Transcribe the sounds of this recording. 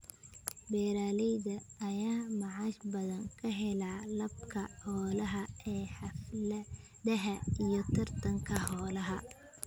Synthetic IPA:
bɛːɾaːlɛðɐːjaːmɑʕɑʃbɐðɐŋkʰɐɦɛlaːlɐb̚kʰɐhɔːlɐɦɐɛːħɑflɐ | dɐɦɐijɞt̪ʰɐrt̪ʰɐŋkʰɐhɔːlɐɦɐ

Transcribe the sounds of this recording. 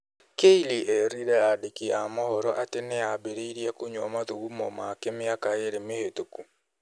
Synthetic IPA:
keiliʔɛɾiɾɛadekiamɔhɔɾɔʔateneabeɾeiɾjɛkoɲɔmaðuɣumɔmakemɪakaeɾemehetoku

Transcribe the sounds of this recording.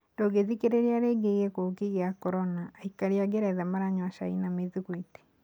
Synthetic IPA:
dɔɡeðikeɾeɾeaɾeɡeɣekokiɣeakɔɾɔnaːikaɾiaɡeɾɛðamaɾaɲwaʃa̰ḭnameðiɣwite̥

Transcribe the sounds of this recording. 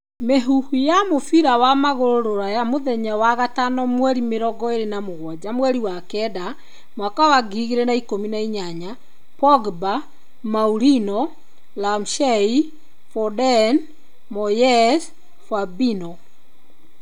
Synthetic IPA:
meɦuhujamofiɾawamaɣoɾoɾoɾajamoðɛɲawaɣatanɔmwɛɾimeɾɔɡɔeɾenamoɣwɔd͡ʑamwɛɾiwakɛda | mwakawaɡiɣeɾɛnaikominaiɲaɲa | pɔɡba | mauɾinɔ | lamʃɛi | fɔdɛn | mɔjɛs | fabinɔ

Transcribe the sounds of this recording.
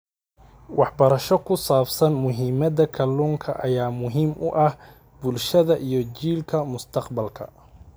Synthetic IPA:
wɑħbɐɾɐʃɔkʰʊsaːbsɐnmʊɦiːmɐd̪ɐkʰɐluːŋkʰɐ̰ʔɐjaːmʊɦiːmʔʊ̰ʔɐh | bʊlʃɐðɐʔijɞt͡ʃiːlkʰɐmʊst̪ʰɐqbɐlkʰɐ̰

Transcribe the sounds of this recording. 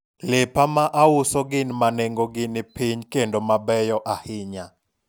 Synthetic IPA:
lepamaʔaʊsɔɡɪnmaneŋɡoɡɪnɪpiɲkendomabɛjɔʔahɪɲa

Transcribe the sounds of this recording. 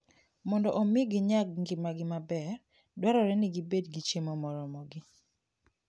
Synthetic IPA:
mɔndɔʔomɪɡɪɲaɡ̚ŋɡɪmaɡɪmabɛr | dwaɾɔɾɛnɪɡibedɡit͡ʃemɔmɔɾɔmɔɡɪ

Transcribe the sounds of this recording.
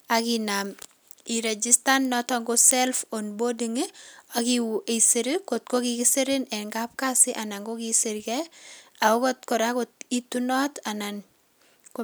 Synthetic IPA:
akinam | iɾed͡ʒistannɔtɔŋɡosɛlfonbodiŋeakiwuʔeseɾikot̚kokikiseɾinɛnŋɡap̚kasɪʔanaŋɡokiseɾikɛaokɔtkɔɾakot̚itunɔtanan | ko

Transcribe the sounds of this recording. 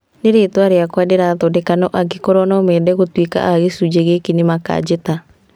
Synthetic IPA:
neɾeːtwaɾeakwadeɾaðɔdɛkanɔʔaɡekɔɾɔnɔmɛdɛɣotwika̰ʔaɣesud͡ʒeɣekinemaka̰d͡ʑeta

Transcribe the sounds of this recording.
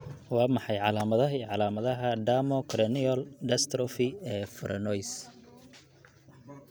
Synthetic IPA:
wɑːmɑħɑjʕɑlaːmɐðɐɦiʕɑlaːmɐðɐɦɐɖ̪amɔkʰɾɛniɔlɖ̪ɛst̪ɾɔfiɛːfɔɾʔɐnɔjs

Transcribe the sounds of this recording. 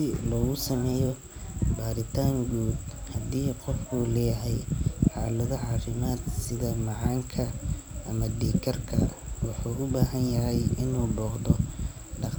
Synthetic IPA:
ɪlɔːɣʊsɐmɛːjɔ | baːɾɪt̪ʰaːŋɡuːd̪hɐd̪iːqɔfkʰʊlɛjɐɦɛjħɑːlɐðɔʕɑːfɪmaːd̪sɪðɐmɑʕɑːŋkʰɐʔɐmɐɖiːkʰɐrkʰɐ̰wɑħuːʔʊbaːɦɐnjɐɦɛjʔɪnuːbɔːqðɔ | ɖɑq

